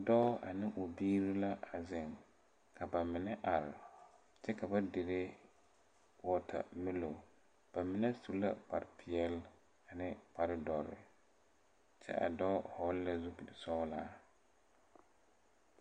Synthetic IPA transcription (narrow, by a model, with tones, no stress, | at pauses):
a˨dɔː˦a̰˨nɪ˦ʔʊ˨biː˦ɾo˦la˦ʔa˨zɪ˨ŋ | kʰa˨ba˨mɪ˨nɛ˦ʔa˨ɾɪ˨ | t͡ʃɛ˦ka˨ba˦de˨ɾe˦ | wɔ˦tʰa̰˨mɪ˦lo˨ | b̥a˨mɪ˨nɛ˦su˨la̰˦pa̰˨ɾɪ˨pʰɪ˨ɛ˦l | a˨nɪ˦pa˨ɾɪ˦dɔ˨ɾɪ̰˨ | t͡ʃɛ̰˦ʔa̰˨dɔː˦hɔ˦lːɛ˦zʊ˦bi˨dɪ˨sɔ˦laː˦